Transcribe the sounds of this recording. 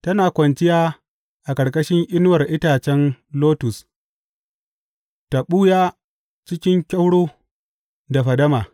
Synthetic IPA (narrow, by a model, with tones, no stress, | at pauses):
tɐ˦naː˨kʷɐ˨nt͡ʃɪ˦jaː˦ | ʔa˨kɐ˨ɽkʼɐ˦ʃɪ˦ŋʔɪ˦n˦wɐ˨rʔɪ˦taː˨t͡ʃɛ˦nloː˦tʊ˨s | ta˨ɓuː˦jaː˦ | t͡ʃɪ˦kʲɪ˦ŋkʲɐ˦wɽoː˦ | da˨ɸɐ˨dɐ˦maː˨